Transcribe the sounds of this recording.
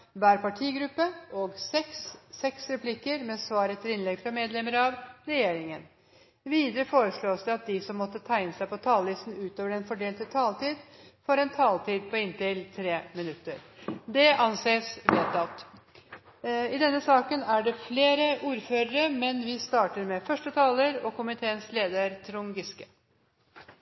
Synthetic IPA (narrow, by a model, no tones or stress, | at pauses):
ʋæːɾpɑʈʰiːɡɾʉpːəʔɔɡsɛksːɛksɾɛpʰlɪkəɾmɛsʋɑːɾət̪ʰɪlɪnlɛɡfɾɑmeːd̪lɛməɾɑʋɾɛjeːɾɪŋən | ʋiːd̪əɾəfoːɾəʂɭoːsd̪ɛɑt̪̚d̪ɪsɔmːɔt̪ːət̪ʰæɪɪnəsæɪpɔt̪ʰɑːlːɪst̪n̩ʉːt̪oːʋəɖɛnfɔɖeːlt̪ət̪ʰɑːlt̪ʰiːd̪fɔɾɛnt̪ʰɑːlt̪iːd̪̚pʰɔɪnt̪ɪlt̪ʰɾeːmɪnʉt̪ːəɾd̪ɛʔɑnseːsʋeːt̪ɑlt̪ | ɪd̪ɛnːəsɑːkənæɖɛfleːɾəuːɾføːɾəɾəmɛnʋɪst̪ɑːʈəɾmɛfœʂʈət̪ʰɑːləɾɔkʊmɪt̪ʰeːənsleːd̪əɾt̪ʰɾʊŋɡɪskə